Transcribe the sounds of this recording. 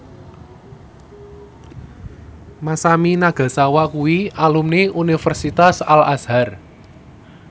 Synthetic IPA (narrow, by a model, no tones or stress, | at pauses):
masaminaɡ̥ä̤sawakuwiʔalumneunifərsit̪asalashar